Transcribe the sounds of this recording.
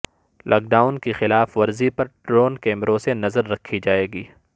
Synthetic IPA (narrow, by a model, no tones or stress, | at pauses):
lʔa̰ːk̚ɖaːʊnkexɪlaːfʋɐɾzipɐɾʈɾoːnkɛːmɾõsenɐzəɾːɐkʰːid͡ʒaːeːɡiː